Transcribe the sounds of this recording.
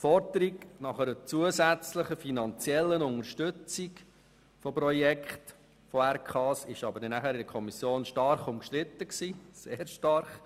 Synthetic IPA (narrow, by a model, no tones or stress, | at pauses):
fɔɾdəɾiɡnɑχəɾət͡suəzæt͡sləχəfinɑnt͡sjɛlːənʊŋəɾʃtɵt͡siɡ | fɔpɾɔjɛkχt | fɔæɾkʰɑːsɪʃɑbəɾdɛnæχæɾɪdəkʰɔmisjoːnʃtɑɾχʊmkʃtɾɪt̪ːəksiːseːɾʃtɑɾχ